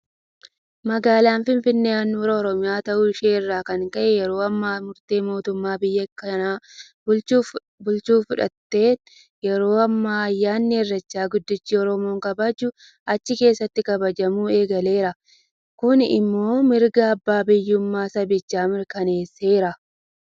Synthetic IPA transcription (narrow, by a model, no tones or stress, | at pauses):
mɐɡaːlaːnfɪnfɪnːeːɐnːuːɾɐɔɾɔmɪjaːt̪ɐʔʊɪʃeːɪrːaːkɐŋkɐʔɛjɛɾo̞ːɐmːaːmʊɾt̪eːmo̞ːt̪ʊmːaːbɪjːɐkːɐnaː | bʊ | bʊlt͡ʃuːfʊᶑɐ̰t̪ːe̞ːt̪ | jɛɾo̞ːɐmːaːɐjːaːnːɪɛrːɐt͡ʃːaːɡʊd̪ːɪt͡ʃːiːɔɾɔmo̞ːŋkɐbad͡ʒʊ | ɐt͡ʃːɪke̞ːsːɐt̪ːɪkɐbɐd͡ʒɐmuːe̞ːɡɐle̞ːɾɐ | kʊnɪ̰mːo̞ːmɪɾɡɐːbːaːbɪjːʊmːaːsɐbɪt͡ʃːaːmɪɾkɐne̞ːsːeːɾɐ